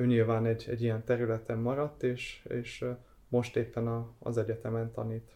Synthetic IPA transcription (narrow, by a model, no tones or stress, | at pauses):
øːɲiːlvaːnɛɟːɛ̰ɟːijɛnt̪ɛɾylɛt̪ɛmːɒɾɒt̪ːeːʃeːʃ | mo̞ʃt̪eːpːɛnɒ̰ːzɛɟɛt̪ɛmɛnt̪ɒ̰niːt̪